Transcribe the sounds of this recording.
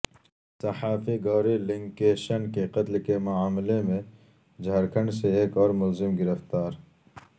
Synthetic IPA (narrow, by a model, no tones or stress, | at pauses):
sɐhaːfiɡaːɾilɪŋɡkeːʃɐnkeqɐt̪lkemʊaːmɪlemẽ | d͡ʒʱɐɾkʰɐ̃ɳɖseeːkɔːɾmʊlzɪmɡɪɾəft̪aːɾ